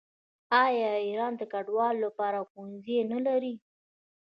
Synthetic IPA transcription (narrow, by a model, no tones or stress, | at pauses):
ɑjɑiɾɑnd̪əkaɖwɑlːapɑɾaxonzenalaɾi